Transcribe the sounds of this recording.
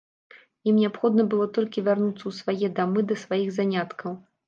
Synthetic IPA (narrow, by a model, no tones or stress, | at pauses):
jimnʲɛapxɔd̪nɐbɨlˠɔt̪ɔlʲkʲivʲarnut̪sːɐwsvajɛd̪amɨd̪ɐsvajiɣzanʲat̪kʰɐw